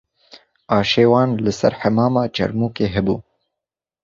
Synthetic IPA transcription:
ɑːʃeːwɑːnləsa̰ɾħamɑːmɑːt͡ʃɐ̰ɾmuːkeːɦɪbuː

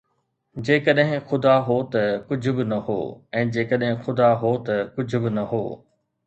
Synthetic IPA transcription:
d͡ʑeːkəɗɦɪ̃xʊd̪aɦoːt̪ɐkʊd͡ʑʱʊ̆bɪnɐɦo̰ːɛ̃ːd͡ʑeːkəɗɦɪ̃xʊd̪aɦoːt̪ɐkʊd͡ʑʱʊbɪnɐɦo̰ː

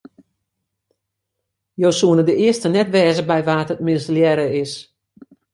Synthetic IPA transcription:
jowsuənədəɪəstənɛtʋɛːzəbɛjʋaːtət̚mɪnsljɛɾəɪs

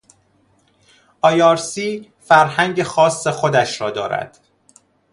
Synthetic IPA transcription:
ʔɒːjɒːɾsiː | fæɾɦæŋɟexɒːsːexo̞d̪æʃɾɒːd̪ɒ̰ːɾæ̰d̪̥

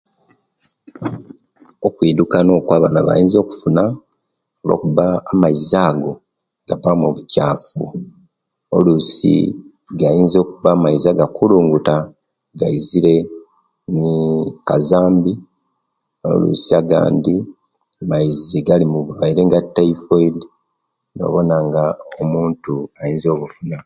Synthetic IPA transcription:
o̞kwiːdukano̞ːkwaːβanaβa̰jiːnzo̞ːku̥funa | olo̞̰ːkuβaːmaizaːɡo̞ | ŋɡapamoβucaːfu | o̞̰lusḭ | ɡajiːnzo̞ːkuβaːmaizaɡakuluːŋɡuta | ɡaiziɾe̞ | nikazaːmbi | o̞̰lṵsiaɡa̰ːndi | amaiziɡalimuβuβaiɾe̞ŋɡatːaifoid | no̞̰ːβo̞naŋɡaomuːntuajiːnzo̞ːβufuna

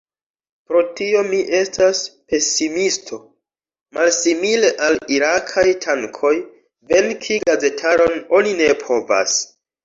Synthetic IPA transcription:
pɾo̞tio̞miʔe̞staspe̞simistʰo̞ | malsimile̞ʔaliɾakʰajtʰaŋkʰo̞j | ve̞nkʰiɡaze̞tʰaɾo̞no̞nine̞pʰo̞va̰s

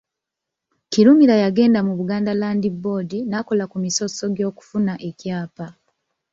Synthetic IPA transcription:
ciɾumiɾajaɡe̞ːndamuβuɡaːndalaːndibːo̞ːdinako̞lakumiso̞so̞ɡjo̞ːku̥funaʔe̞cjaːpa

